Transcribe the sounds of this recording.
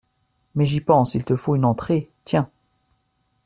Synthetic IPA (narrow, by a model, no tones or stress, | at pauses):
mɛʒipɑ̃silt̪əfoynɑ̃t̪χet̪jɛ̃